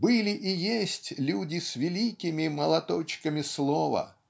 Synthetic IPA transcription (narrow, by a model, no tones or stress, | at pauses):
bɨlʲɪʔijesʲtʲlʲudʲɪsʲvʲɪlʲikʲɪmʲimɐlˠɐt̪ɔt͡ɕkəmʲɪslˠɔvɐ̰